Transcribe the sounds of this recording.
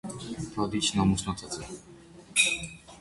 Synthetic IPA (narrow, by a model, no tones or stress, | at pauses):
t̪ʰad̪it͡ʃʰnamusnɔt͡s̪ʰat͡sʰɛ